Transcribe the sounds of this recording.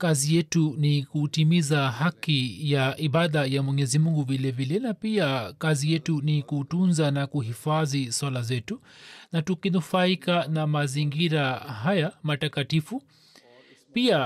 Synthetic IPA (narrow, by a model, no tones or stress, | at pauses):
kazijɛtunikutimizahakijaʔiɓaðajamwɛɲɛzimuŋɡuvilɛvilɛnapiakazijɛtunikutunzanakuɦifaðiswalazɛtunatukinufaikanamaziŋɡiɾaɦajamatakatifu | pia